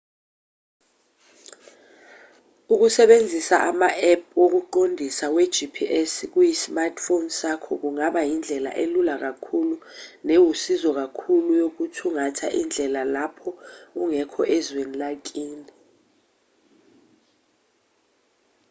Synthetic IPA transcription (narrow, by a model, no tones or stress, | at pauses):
uk̬usɛɓend͡zʱisaʔamaʔɛp̚ʰwok̬uǃondʱisawɛd̥ʒ̥ʱipʰiʔɛsk̬ujismartʰfonsakʰɔk̬uŋaɓajind͡ɮʱɛla̰ʔelulak̬akʰulunewusizɔk̬akʰulujok̬utʰuŋatʰa̰ʔind͡ɮʱɛlalapʰɔuŋɛkʰɔʔɛzwenilak̬ʼiːni